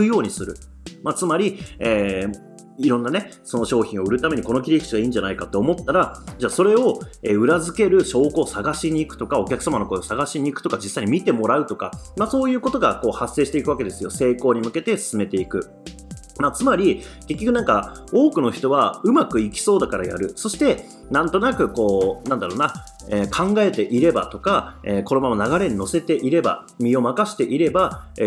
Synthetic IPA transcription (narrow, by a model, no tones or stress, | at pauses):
ɯjo̞ːɲ̟isɨɾɯ̟ | mat͡sɨmaɾʲieː | iɾõ̞nːane̞ | so̞no̞ɕo̞ːçĩɰ̃o̞ɯ̟ɾɯ̟t̪ame̞ɲ̟iko̞no̞kʲiɾʲikɯ̟̥t͡ɕiɡaiːɲd͡ʑanaikat̪ːe̞ːmo̞t̪ːaɾad͡ʑaːso̞ɾe̞o̞eɯ̟ɾazɨke̞ɾɯ̟ɕo̞ːko̞ːsaɡaɕiɲ̟iːkɯ̟t̪o̞kao̞kʲakɯ̟̥samano̞kosaɡaɕiɲ̟iːkɯ̥t̪o̞kad͡ʑisːaiɲ̟imit̪e̞mo̞ɾaɯ̟t̪o̞ka̰maso̞ːjɯ̟ːko̞t̪o̞ɡako̞ːhasːe̞ːɕit̪e̞ikɯ̟βake̞d̪e̞sɨjo̞se̞ːko̞ːɲ̟imɯ̟ke̞t̪e̞sɨ̥sɨme̞t̪e̞ikɯ̟ | mat͡sɨmaɾʲike̞kʲːokɯ̟nãŋka | o̞ːkɯ̟no̞çi̥t̪o̞βaɯ̟makɯ̟ikʲi̥so̞ːd̪akaɾaja̰ɾɯ̟so̞ɕi̥t̪e̞ | nãnt̪o̞nakɯ̟ko̞ːnãnd̪aɾoːna | eːkʰãŋɡae̞t̪e̞ʔiɾe̞bat̪o̞kaeːko̞ɾo̞mamonaɡaɾe̞ɲ̟ino̞se̞t̪e̞ʔiɾe̞ba̰ | mʲio̞makaɕi̥t̪e̞ʔiɾe̞bae